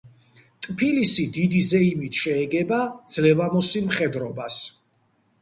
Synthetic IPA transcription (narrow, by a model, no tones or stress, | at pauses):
t̪ʼpʰilisid̪id̪izɛimit̪ʰʃɛːɡɛbad̪z̥lɛvamɔsimχɛd̪ɾɔbas